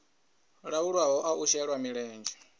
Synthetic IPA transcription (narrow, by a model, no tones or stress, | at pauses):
ɺauɺwaɦɔʔaʔuʃɛɺwamiɺɛːnd͡ʒɛ